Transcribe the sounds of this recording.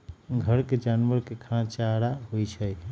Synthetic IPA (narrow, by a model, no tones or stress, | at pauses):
ɡʱəɾked͡ʒanʋəɾkekʰãt͡ʃaɾaɦojt͡ʃʰə